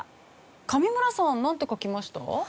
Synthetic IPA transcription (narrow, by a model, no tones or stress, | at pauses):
kamʲimɯ̟ɾasãnːãnt̪ekokʲimaɕi̥t̪a̰